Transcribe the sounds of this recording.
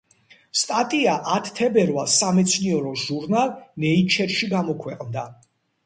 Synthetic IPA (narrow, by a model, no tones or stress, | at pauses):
st̪ʼat̪ʼiaʔat̪ʰt̪ʰɛbɛɾvalsːamɛt̪sʰniɛɾɔʒuɾnalˠnɛit͡ʃʰɛɾʃiɡamɔkʰwɛqʼnd̪a